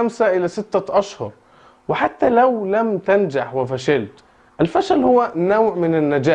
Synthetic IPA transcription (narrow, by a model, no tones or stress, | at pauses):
amsaʔɪlæsɪt̪ːaʔaʃhʊ̰ɾˤ | wɪħat̪ːælæwlæmt̪ænd͡ʒaħwɪfæʃalt̪ | ʔɪlfæʃælhʊwːænawʕmɪnɪnːad͡ʒaː